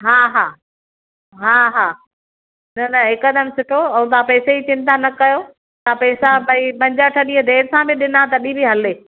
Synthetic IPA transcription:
ɦaːɦaː | ɦaːɦaː | nɐnɐɦɪkɐd̪əmsʊʈʰoɐũt̪ãpɛːseit͡ɕɪ̃nt̪anɐkɐjoː | t̪ãpɛːsabɐĩpɐ̃ɲd͡ʑaʈʰɐɗĩːə̃d̪ʱeːɾsãbɪɗɪnat̪ɐɗĩbiɦɐleː

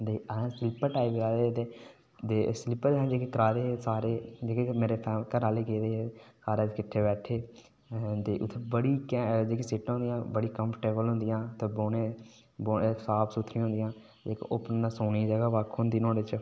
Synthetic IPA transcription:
d̪ẽːsɪlɪpəʈaːɪbɾaːd̪eːt̪eː | d̪eːsɪlɪpːd̪eɦãːd͡ʒeːkekəɾaːɾeːsaːɾeːd͡ʒeːkemeːɾeːpʰɛːkəɾaːleːkeːd̪eːesaːɾeːt̪ːkɪʈʰːeːbɛːʈʰːeː | t̪eːʔʊt̪ʰːebəɽiːkɛd͡ʒeːkeːsɪʈɦõnd̪ɪjãːbəɽiːkəmpʰəʈeːbəlɦʊ̃nd̪ɪjãːt̪eboːneː | boːesaːpsut̪ʰɾĩːɦʊ̃nd̪jãː | d͡ʒeːkːʔʊpənasoːnĩːd͡ʒəɡaːʋaːkʰːnd̪iːnõːdɪt͡ʃ

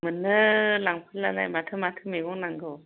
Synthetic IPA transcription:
mɯnːɯlaŋpʰɯlːala̰jmatʰɯmatʰɯmeɡɔŋnaŋɡɯw

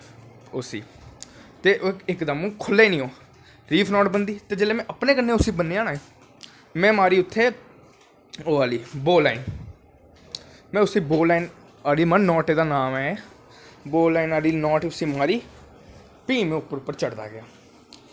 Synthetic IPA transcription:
ʊsḭː | t̪eːʔɪkd̪əmũːkʰʊlːeːnĩːõː | ɾiːpʰnɔːʈbənd̪iːt̪eːd͡ʒeːleːmɛ̃ːʔəpneːkənːeːʊsiːbənːeːaːnaːẽː | mɛ̃ːmaːɾiːʊt̪ʰːeː | oːaːliːboːlaːin | mɛ̃ːʊsiːboːlaːiːn | aːɽiːmənːɔːʈeːd̪aːnaːmɛː | boːlaːinaːɽiːnɔːʈiʊsiːmaːɾiː | piːmẽːʊpːəɾʊpːəɾt͡ʃəɽd̪a̰ːɡɪjaː

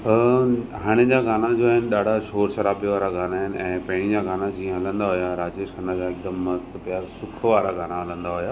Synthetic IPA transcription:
ɦaɽ̃ɪd͡ʑaɡaːnad͡ʑoːaːɦɪnɪ̆ɗaːɖ̤ʱaʃoːɾʃɐɾaːbijʋaːɾaɡʱaːnaɦɪnɪ̆ʔɛ̃ːpɐɦɪɽ̃ĩd͡ʑaːɡaːnad͡ʑĩːə̃ɦɐlə̃nd̪aɦʊjaɾaːd͡ʑeːʃɐnad͡ʑaːɪk̚d̪əmːɐzt̪pjaːɾsʊkʰʋaːɾaɡʱaːnaɦɐlə̃nd̪aɦʊjaː

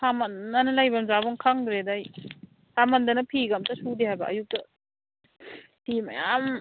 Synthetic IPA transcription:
samɐnːanɐlajbamzabɔŋkʰaŋd̪ɾedaj | samɐndɐnɐpʰiɡamtɐsudehajbɐ̰ʔːjuk̚tɐ | tima̰jam

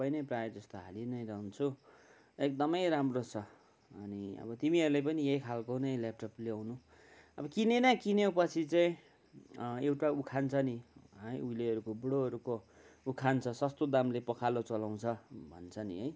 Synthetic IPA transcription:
pʌjnʌjprajd͡zʌst̪oɦa̰linʌjrʌɦunt͡sʰu | ek̚d̪ʌmʌjɾamrot͡sʰʌ | ʌniʌ̰bʌt̪imiʌɾulepʌnijejkʰalkonʌjlep̚ʈʌplewnu | ʌbʌkinenʌkinjepʌt͡sʰit͡saĩ | ewʈaukʰant͡sʰʌniʌjujleʌɾukobuɽoɦʌɾukoukʰant͡sʰʌsʌst̪od̪amlepʌkʰalot͡sʌlaw̃t͡sʰʌbʱʌ̰nt͡sʰʌnḭɦʌj

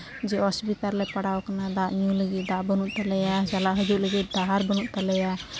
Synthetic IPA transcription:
d͡ʒɛɔsbit̪aɾlɛpəɽawkanad̪aʔɲũləɡid̪aʔbənuʔt̪alɛjad͡ʒalaʔɦəd͡ʒuʔləɡiʔd̪aɦaɾbənuʔt̪alɛja

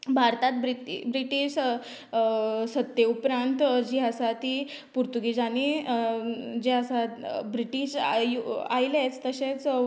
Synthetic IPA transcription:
bʱaɾt̪at̪̚bibɾiʈiɕ | sət̪ːjeupɾãnt̪d͡ʑiɦasat̪i | puɾt̪uɡid͡zani | d͡ʑiɦasabɾiʈiɕjuajilet͡st̪əɕẽt͡s

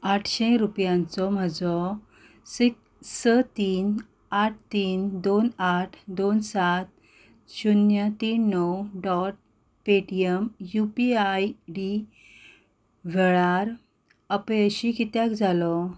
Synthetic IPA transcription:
aʈʰɕẽɾupjãnt͡sɔm̤əd͡zɔ | sik | sət̪iːn | aʈ̚ʰt̪iːnd̪onaʈʰd̪onsat̪̚ | ɕunjət̪inːɔwɖɔʈ̚ | peʈiemjupiajɖi | ʋʱɛɭaɾ | əpẽəɕikit̪jakd͡zalɔ

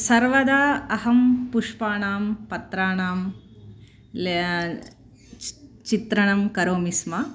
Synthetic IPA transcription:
sɐɾʋɐd̪aːɐɦɐmpuʂpaːɳaːmpɐt̪ɾaːɳaːm | l | t͡ʃit̪ɾɐɳɐmkɐɾoːmismɐ

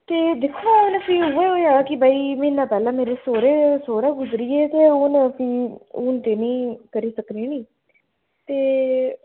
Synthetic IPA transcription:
t̪eːd̪ekʰːõːʊnəpĩːuːeːoːãːkɪbaːiːmɪ̃ːnãːpɛːlãːmeːɾeːsoːɾeːsoːɾãːɡʊzɾiːeːt̪eːʊːnpĩːʊːnt̪eːnĩːkəɾiːsəkniːnĩː | t̪eː

